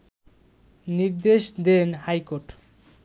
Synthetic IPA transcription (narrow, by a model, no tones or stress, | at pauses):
niɾd̪eʃd̪enhajkoʈ